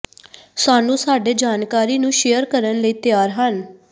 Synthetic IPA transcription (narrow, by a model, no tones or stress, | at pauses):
saːnũːsaːɖeːd͡ʒaːnkaːɾiːnũːʃeːjəɾkəɾənləiːt̪ɪjaːɾɦən